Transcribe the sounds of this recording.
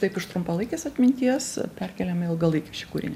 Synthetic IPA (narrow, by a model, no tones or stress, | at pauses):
t̪ɐɪpɪʃt̪ɾʊmpɐlˠɐɪkʲeːsɐt̪ʲmʲɪnʲt̪ʲiɛspʲɛrʲkʲɛlʲɛmɪlˠɡɐlˠɐɪkʲeʃʲɪkuːɾʲɪ̰nʲe